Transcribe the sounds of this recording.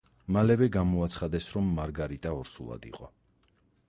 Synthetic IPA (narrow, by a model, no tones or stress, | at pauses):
malɛvɛɡamɔat̪sʰχad̪ɛsɾɔmːaɾɡaɾit̪ʼaɔɾsulˠa̰d̪ḭqʼɔ